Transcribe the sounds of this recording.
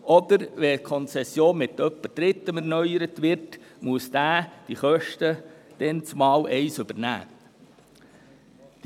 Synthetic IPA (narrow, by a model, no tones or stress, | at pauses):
ʔɔd̪əɾʋɛkʰɔnt͡sɛsːjoːnmɪt̪œpːəd̥ɾɪt̪ːəmɛɾnœjəɾətʋɪɾtmuəsd̥̪æːd̥iχœʃtəd̥ɛnt͡smɑːwʔɛɪsʏbəɾnæ̰ː | d̥